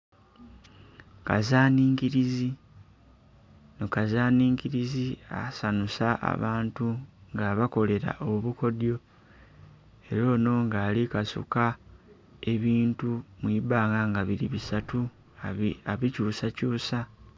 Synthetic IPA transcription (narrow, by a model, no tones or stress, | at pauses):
ka̰zaːniːɲkiɾizi | nokazaːniːŋkiɾizia̰sanusaʔa̰βaːntuŋɡaβako̞le̞ɾa̰ʔoβuko̞djo̞ | e̞ɾo̞ːno̞ŋɡaːlikasṵka | e̞βiːntumwibaːŋɡaŋɡaβiɾiβisatu | aβicuːsacuːsa